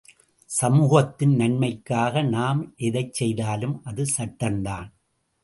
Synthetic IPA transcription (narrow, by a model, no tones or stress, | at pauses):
sɐmuːɣɐt̪ːɪnnɐɳmɐɪkːaːɣɐnaːmʔɛðɐɪt͡ʃsɛjðaːlɯmʔɐðɯsɐʈːɐnd̪aːn